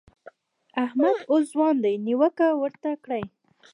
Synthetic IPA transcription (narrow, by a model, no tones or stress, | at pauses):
ahmad̪os̬zwɑnd̪ajniwəkawəɾt̪akɽaj